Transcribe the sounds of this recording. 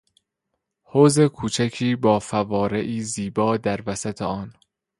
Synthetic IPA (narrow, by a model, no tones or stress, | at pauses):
hoːze̞kʰuːt͡ʃʰæcʰiːbɒːfævɒːɾeʔiːziːbɒːd̪æɾvæsæt̪ʰeɒːn